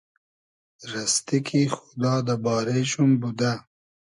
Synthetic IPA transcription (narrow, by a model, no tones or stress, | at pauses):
ɾast̪ikʰixʊ̥d̪ɑːd̪əbɑːɾeʃumbud̪a